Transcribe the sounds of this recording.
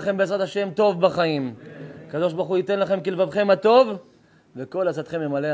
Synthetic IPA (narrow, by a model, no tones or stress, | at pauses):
χembeːzʁat̪aʃe̞mt̪o̞vbaχaimakad̪o̞ʃbaʁχuit̪e̞nlaχe̞mkilvavχe̞mat̪o̞v | veko̞lat͡sat̪χemjemale